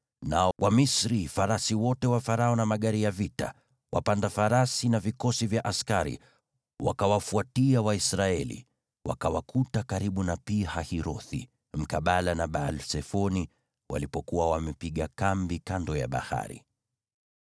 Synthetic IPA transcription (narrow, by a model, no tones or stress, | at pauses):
nawʔamisɾifaɾasiwɔtɛwafaɾaɔnamaɠaɾijavita̰ | wa̰pandafaɾasinavikɔsivjaʔaskaɾḭ | wa̰kawafuatiawaisɾaɛlḭ | wa̰kawakʰutakaɾiɓunapihahiɾɔθḭ | m̩kaɓalanaɓalsɛfɔni | wa̰lipɔkuwawamɛpiɠakambikandɔja̰ɓa̰ha̰ɾḭ